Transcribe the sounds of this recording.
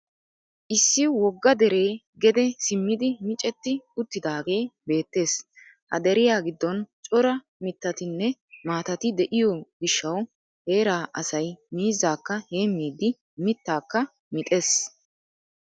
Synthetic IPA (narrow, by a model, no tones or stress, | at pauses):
ʔɪsːɪwɔɡːɐd̪ɛɾe̞ː | ɡɛd̪ɛsɪmːɪd̪ɪmɪt͡ʃʼɛt̪ːɪʊt̪ːɪd̪aːɡe̞ːbe̞ːt̪ːe̞ːs | hɐ̰d̪ɛɾɪjaːɡɪd̪ːɔnt͡ʃʼɔɾɐ | mɪt̪ːɐt̪ɪnːɛmaːt̪ɐt̪ɪd̪ɛʔɪjɔɡɪʃːɐw | he̞ːɾaːʔɐsɐjmiːzːaːkːɐhe̞ːmːiːd̪ːɪ | mɪt̪ːaːkːɐ | mɪt̪ʼe̞ːs